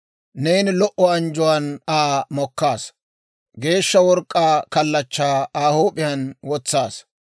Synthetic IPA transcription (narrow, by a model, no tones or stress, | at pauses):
nejnɪlɔʔɔɐnd͡ʒʊwanaːmɔkːaːs | ɡe̞ːʃːɐwɔɾkʼːaːkɐlːɐt͡ʃːaːaːhoːpʼːɪjɐnwɔt͡sːaːs